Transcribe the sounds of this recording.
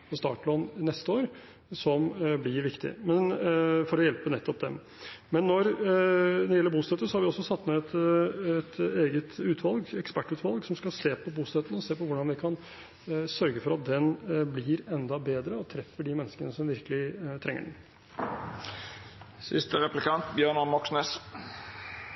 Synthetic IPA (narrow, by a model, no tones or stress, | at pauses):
pʰɔst̪ɑ̰ːʈlɔːnnɛst̪əoːɾ | sɔmblɪɾʋɪkt̪ɪ̰mɛnfɔɾɔjɛlpənɛt̪ːɔp̚d̪ɛ̰m | mɛnːɔɾ | d̪ɛɾjɛlːəɾbuːst̪ɛt̪ːəsɔhɑɾʋɪɔsːɔsɑt̪ːneɛt̪ɛt̪eːɡət̪ʉːt̪ʰʋɑlɡɛkspæʈːʉːt̪ʋɑlɡsɔmskɑlseːpʰɔbuːst̪ɛt̪ːənəɔseːpɔʋʊɖɑnʋɪkʰɑn | sœɾɡəfɔɾɑt̪̚d̪ɛnblɪɾɛnd̪ɑbeːd̪ɾəɔt̪ʰɾɛfəɖɪmɛnːəskənəsɔmʋɪɾkəlɪt̪ʰɾʔɛŋːə̰ɖɛn̩ | sɪ̰st̪əʁɛplɪkʰɑnt̪bjøːɳɔmɔksneːs